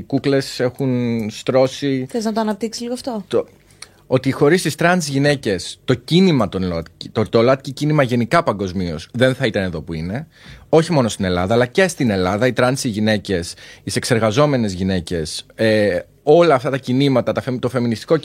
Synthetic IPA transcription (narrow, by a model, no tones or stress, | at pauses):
kukle̞se̞xunst̪ɾo̞siθeznɐt̪oɐnɐp̚t̪iksi̥sliɣoɐft̪o̞t̪o | o̞t̪ixo̞ɾisist̪ɾɐnsʝine̞ce̞st̪o̞cinimɐt̪onlot̪ct̪ot̪olɐt̪̚cicinimɐʝe̞nikɐpɐŋɡo̞zmio̞̰sðe̞nθɐit̪ɐneðo̞puine̞ | o̞çimo̞no̞st̪ine̞lɐðɐːlɐce̞st̪ine̞lɐðɐit̪ɾɐnsiʝine̞ce̞sise̞kse̞ɾɣɐzo̞me̞ne̞zʝine̞ce̞se | o̞lɐːft̪ɐt̪ɐcinimɐt̪ɐt̪ɐfet̪o̞fe̞minist̪i̥ko̞